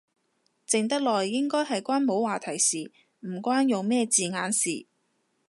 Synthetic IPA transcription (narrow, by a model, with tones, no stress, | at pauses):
t͡sɪ˨ŋt̪ɐ˥k̚lɔː˨˩jːɪ˥ŋkɔː˥jɦɐ˨jkʷwaː˥nmo˨˥waː˨˩t̪ʰɐ˨˩jsiː˨ | m̩˨˩kʷwaː˥njʊ˨ŋmɛː˥˧t͡siː˨ŋaː˨˥nsiː˨˩